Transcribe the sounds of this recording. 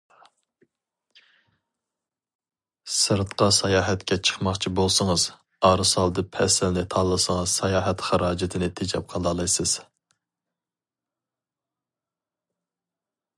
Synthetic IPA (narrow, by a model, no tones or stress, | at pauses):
sɨɾt̪qɑsɑjɑːɦɛt̪kʲɛt͡ʃʰə̥χmɑχt͡ʃʰibolˠsɨŋəz | ɑːɾɨsɑlˠd̪ɨpʰɛsɪlnɪt̪ʰɑlˠːɨsəŋɨzsɑjɑːɦɛt̪χæɾɑːd͡ʒɪt̪ʰɪnɪt̪ʰɪd͡ʒɛ̰p̚qʰɑlˠɑlˠɑjsɨz̥